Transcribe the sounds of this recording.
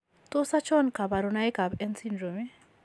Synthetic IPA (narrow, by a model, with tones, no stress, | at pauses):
t̪o˦sa˦t͡ʃɔ˦nka˨ba˨ɾʊ˨na˦jka˨bɛ˦nsi˦ndɾo˨mɛ˦